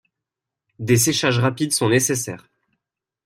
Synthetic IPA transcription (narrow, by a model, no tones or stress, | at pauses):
d̪es̬eʃaʒʁapid̪sɔ̃nesesɛːʁ